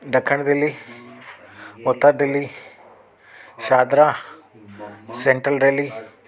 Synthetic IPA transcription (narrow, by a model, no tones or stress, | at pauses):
ɖɐkʰːɐɳd̪elːi | ɔt̪ːad̪elːi | ʃaːd̪ɾa | seɳʈɾɐlɾeli